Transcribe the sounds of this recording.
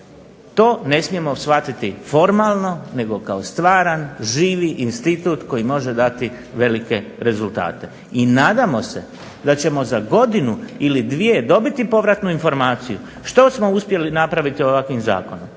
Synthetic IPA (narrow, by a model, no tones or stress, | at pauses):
t̪o̞ːne̞smije̞mo̞sfat̪it̪ifo̞ɾmaːlˠno̞ne̞ɡo̞kao̞st̪ʋaːɾanʒiːʋiʔinst̪it̪uːt̪ko̞jimo̞ʒe̞d̪at̪i | ʋe̞like̞ɾe̞zulˠt̪a̰ːt̪e̞ | inaːd̪amo̞se̞ | d̪at͡ɕe̞mo̞zaɡo̞d̪inuilid̪ʋije̞d̪o̞bit̪ipo̞ʋɾat̪nuinfo̞ɾmaːt̪siju | ʃt̪o̞smo̞uspje̞linapɾaʋit̪ioʋakʋimza̰ːko̞nom